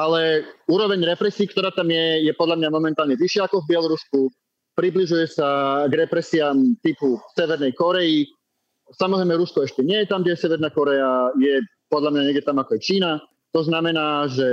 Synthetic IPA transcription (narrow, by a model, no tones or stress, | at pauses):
alɛuːɾɔʋɛɲɾɛpɾɛsiːkt̪ɔɾaːt̪amjɛjɛpɔd̪lamɲamɔmɛnt̪aːlɲɛʋiʃɪaakɔvbɪɛlˠɔɾusku | pɾibliʒujɛsaɡɾɛpɾɛsiamt̪ipusɛʋɛɾnɛjkɔɾɛi | samɔzɾɛjmɛɾuskɔɛʃcɛɲɪɛjɛt̪amd̪ɛɛsɛʋɛɾnaːkɔɾɛajɛ | pɔd̪lamɲaɲɛɡɟɛt̪amakɔjɛt͡ʃiːna | t̪ɔznamɛnaːʒɛ